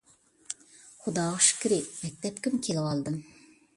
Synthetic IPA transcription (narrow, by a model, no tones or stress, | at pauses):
χʊd̪ɑːʁɑʃkʲiɾɪmɛk̚ʲt̪ɛpkʲimkʲʰelɪwɑlˠd̪ɨm